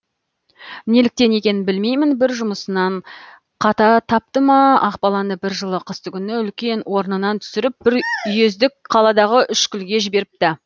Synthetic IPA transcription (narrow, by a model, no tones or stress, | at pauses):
ne̞lɪk̚t̪e̞ne̞kʲe̞nɪnbɪlmejmɪnbɪɾʒʊməsənɑɴ | qʰɑt̪ɑt̪ʰɑp̚t̪əməɑqbɑlˠɑnəbɪɾʒəlˠəqʰəst̪əkʲʰʏnɪʏlkʲe̞nwo̞ɾnənɑnt̪ʰʏ̥sɪɾɪp̚b̥ɪɾʏje̞zd̪ɪk̚qʰɑlˠɑd̪ɑʁəʔʏʃkʲʏlɡʲe̞ʒɪbe̞ɾɪp̚t̪ɪ